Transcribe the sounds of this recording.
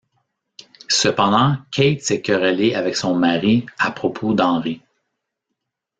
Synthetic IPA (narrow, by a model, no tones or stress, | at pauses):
səpɑ̃d̪ɑ̃kʲʰɛjt̪sɛkɔʁaleavɛksɔ̃maʁiapχɔpʰod̪ɑ̃ʁi